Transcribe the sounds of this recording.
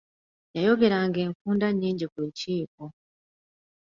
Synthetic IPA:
jajo̞ɡe̞ɾaŋɡe̞ːŋkuːndaɲːiːɲɟikuɲciːko

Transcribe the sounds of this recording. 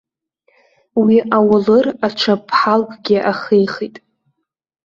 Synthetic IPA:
wiʔawʊlɨraʈ͡ʂʷʰapʰħalkʼɡʲɪʔaχijχijtʼ

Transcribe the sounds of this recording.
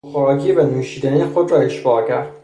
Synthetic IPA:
xoɾɒːkʰiːbenuːʃiːd̪ænixod̪rɒːeʃbɒːcʰæɾd̪̥̚

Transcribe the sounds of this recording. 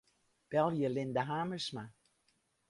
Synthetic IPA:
b̥ɛlˠjəlɪndəɦaːməsma

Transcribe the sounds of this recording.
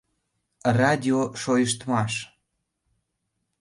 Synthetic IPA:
rɑdʲioʃojəʃt̪mɑʃ

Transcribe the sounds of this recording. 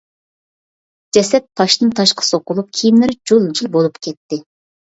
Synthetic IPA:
d͡ʒɛsɛt̪ʰːɑʃnɨnt̪ʰɑʃqʰə̥soqʊlˠup̚kʲʰijimlɪɾd͡ʒolˠd͡ʒilˠbolˠupkʲʰɛt̪ːɪ

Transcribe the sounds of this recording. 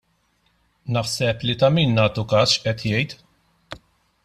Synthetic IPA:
nɐħsɛplit̪ɐmiːnːɐːt̪ukɐːsʃʔɛt̪jɛjt̪

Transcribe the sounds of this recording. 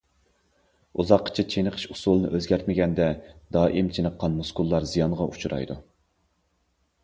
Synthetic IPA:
uzɑqːə̥t͡ʃʰit͡ʃʰenəqʰə̥ʃusulˠnɨ̰ʔøzɡʲɛɾt̪̚mɪɡʲɛnd̪ɛd̪ɑːʔimt͡ʃʰenəqʰːɑnmuskulˠːɑɾzijɑnʁɑʔut͡ʃʰuɾɑ̰jd̪u

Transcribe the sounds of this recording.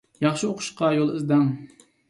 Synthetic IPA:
jɑχʃioqʰʊ̥ʃqɑjolˠɨzd̪ɑŋ

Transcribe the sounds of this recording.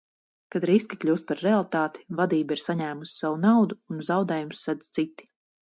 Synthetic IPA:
kad̪ɾiskʲiklʲuːst̪̚paɾːealˠt̪aːt̪i̥vad̪iːbaiɾsaɲæːmusi̥sawunawd̪uːnzawd̪ɛːjumsːɛd̪zt̪sit̪i̥

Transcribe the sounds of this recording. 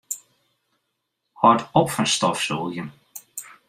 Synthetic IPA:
hɔtɔpfɔnstɔfsoːɡjən

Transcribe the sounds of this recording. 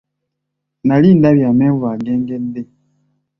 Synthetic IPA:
nalindabjamɛvwaɡɛŋɡɛnde

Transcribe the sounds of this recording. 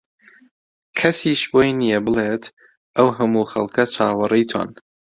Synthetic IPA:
kʰɐsiːʃbojnijɛbɨleːt̪ʰ | ʔɐwɦɐmuːxɐlˠkʰɐt͡ʃʰaːwɐrijt̪ʰwa̰n

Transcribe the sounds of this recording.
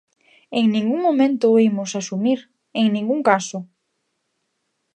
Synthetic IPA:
eŋnĩŋɡuŋmomẽnt̪ʊimʊsasumiɾ | eŋnĩŋɡuŋkasʊ

